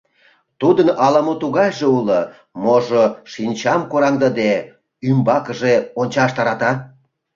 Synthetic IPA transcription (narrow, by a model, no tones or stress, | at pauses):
t̪ud̪ənɑləmot̪uɣɑjʒeulo | moʒoʃinʲt͡ɕɑmkoɾɑŋd̪əd̪e | ymbɑkə̆ʒeonʲt͡ɕɑʃt̪ɑɾɑt̪ɑ